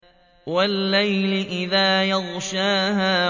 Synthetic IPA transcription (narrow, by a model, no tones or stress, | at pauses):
walːajlɪʔɪðaːjɑðˤʃaːɦaː